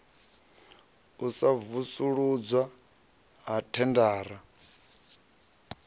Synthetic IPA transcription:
usavusuɺud͡zwa | ɦatʰɛndaːɾa

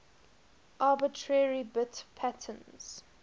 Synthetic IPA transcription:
ʔaːbɪtʰɹɛɹibɪtpʰætʰə̃nz̥

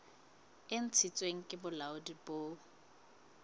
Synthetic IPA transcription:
ɪn̩t͡sʰit͡sʼweŋ̩kʼɪbʊlaʊdiboː

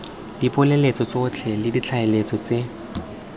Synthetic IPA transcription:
dipʼʊlelet͡sɔt͡sot͡ɬʰɛlɪdit͡ɬʰaɪlet͡sʼɔt͡se

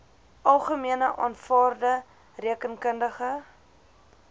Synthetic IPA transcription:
ʔɐlˠχəmiənəʔɑ̰ːnfɑːrdə | riəkənkəndəχə

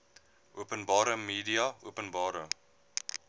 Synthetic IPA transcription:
ʔuəpənbɑːɾəmiːdiɐuəpənbɑːɾə

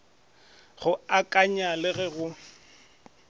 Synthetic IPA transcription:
ɣʊakʼaɲalɪɣɛɣʊ

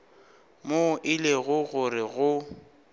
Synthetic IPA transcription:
moʔɪleɣʊɣʊrɪɣʊ

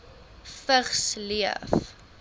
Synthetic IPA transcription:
fəχsliə̰f

